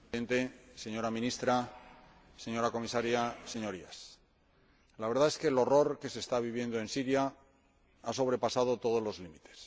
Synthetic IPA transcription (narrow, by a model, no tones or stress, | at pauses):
ent̪e̞seɲo̞ɾamĩnist̪ɾa | se̞ɲo̞ɾako̞misaɾjase̞ɲo̞ɾias | laβe̞ɾðae̞skelo̞ro̞ɾke̞se̞ːst̪aβ̞iβje̞nd̪oe̞nsiɾja | aso̞β̞ɾe̞pasað̞o̞t̪o̞ð̞o̞zlo̞zlimit̪e̞̥s